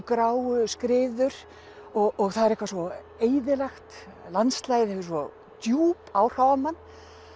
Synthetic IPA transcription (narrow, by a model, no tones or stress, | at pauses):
kɾaːwskɾɪːðʏɾ̥ | ɔɣɔɣθaðɛɾɛhkvasɔ | eːjðɪlɛxt̪lanst̪laːjðɛvɪsvɔ | t̪juːpawr̥aːwvamanː